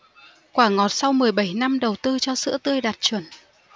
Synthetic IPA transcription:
kwaː˧˩ŋɔ˨˩t̚sa˧wmɨ˨˩əjɓa˧˩jna˧mɗə˨˩wt̪ɨ˧t͡ɕɔ˧sɨ̰˧˥ət̪ɨ˧əjɗa˨˩t̚t͡ɕwə˧˩n

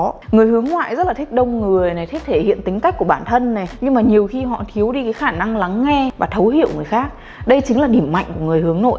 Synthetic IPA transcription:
ŋɨ˨˩əjhɨ˨˦əŋŋwa̰ː˧˨jzə˦˥t̚laː˨˩i˦˥k̚ɗə˧wŋ͡mŋɨ˨˩əjna˨˩t̪ʰe˦˥t̚t̪ʰe˧˩hḭ˧˨ənt̪ï˨˦ŋ̟ka˦˥jk̚ku˧˩əɓaː˧˩nt̪ʰə˧nːa˨˩jɲɨ˧ŋmaː˨˩ɲi˨˩əwxi˧ɦɔ̰˧˨t̪ʰi˨˦əwɗi˧kaː˨˦jxaː˧˩na˧ŋla˨˦ŋːɛ˧vaː˨˩t̪ʰə˨˦whḭ˧˨əwŋɨ˨˩əjxaː˦˥k̚ | ɗə˧jt͡ɕï˨˦ŋ̟laː˨˩ɗi˧˩əmːa̰˧˨jŋ̟ku˧˩əŋɨ˨˩əjhɨ˨˦əŋno̰˧˨j

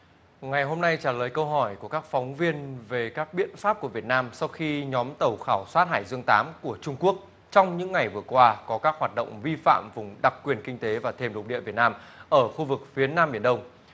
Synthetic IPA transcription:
ŋa˨˩jɦo˧mna˧jt͡ɕaː˧˩ləː˨˩jkə˧wɦɔ˧˩jku˧˩əkaː˦˥k̚fɔ˨˦wŋ͡mvi˧ənve˨˩kaː˦˥k̚ɓḭ˧˨ənfaː˦˥p̚ku˧˩əvi˨˩ət̚naː˧msa˧wxi˧ɲɔ˨˦mt̪ə˨˩wxaː˧˩wswaː˦˥t̚haː˧˩jzɨ˧əŋt̪aː˨˦mku˧˩ət͡ɕʊ˧ŋ͡mku˦˥ək̚ | t͡ɕɔ˧wŋ͡mɲɨ̰˧˥ŋːa˨˩jvɨ˨˩əkwaː˧kɔ˨˦kaː˦˥k̚hwaː˨˩t̚ɗə̰˧˨wŋ͡mvi˧fa̰ː˧˨mvʊ˨˩ŋ͡mɗa˨˩k̚kːwi˨˩ənkï˧ŋ̟t̪e˨˦vaː˨˩t̪ʰe˧mɗʊ˨˩k͡p̚ɗḭ˧˨əvi˨˩t̚naː˧mʔəː˧˩xu˧vɨ˨˩k̚fi˨˦ənaː˧mɓi˧˩ənɗə˧wŋ͡m

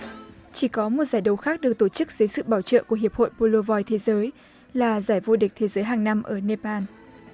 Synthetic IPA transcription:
t͡ɕi˧˩kɔ˨˦mo˨˩t̚zaː˧˩jɗə˨˩wxaː˦˥k̚ɗɨ˨˩ək̚t̪o˧˩t͡ɕɨ˦˥k̚z̥əː˨˦jsɨ̰˧˨ɓaː˧˩wt͡ɕə̰ː˧˨ku˧˩əɦi˨˩əp̚ho̰˧˨jpo˧lo˧vɔ˧jt̪ʰe˨˦zəː˨˦j | laː˨˩zaː˧˩jvo˧ɗi̟˨˩t̪ʰe˨˦zəː˨˦jɦaː˨˩ŋna˧mʔəː˧˩ne˧paː˧n

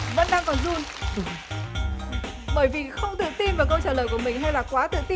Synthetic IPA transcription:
və̰˧˥nɗaː˧ŋkɔ˨˩nzu˧˩n | ɓəː˧˩jvi˨˩xə˧wŋ͡mt̪ɨ̰˧˨t̪i˧nvaː˨˩wkə˧wt͡ɕəː˧˩ləː˧˩jku˧˩əmï˨˩ŋ̟ha˧jlaː˨˩kwaː˨˦t̪ɨ̰˧˨t̪i˧

